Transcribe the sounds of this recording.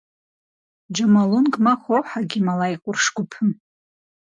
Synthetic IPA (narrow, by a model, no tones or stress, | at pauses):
d͡ʒamalunkʼmaχʷowħaɡʲɪmalajqʷʼʊrʂɡʷʊpʰɨm